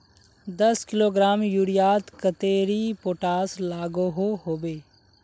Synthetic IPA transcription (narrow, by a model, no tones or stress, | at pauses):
d̪ɐskɪloːɡɾaːmjuːɾijaːt̪kət̪eːɾipoːʈaːslaːɡoɦoɦoːbeː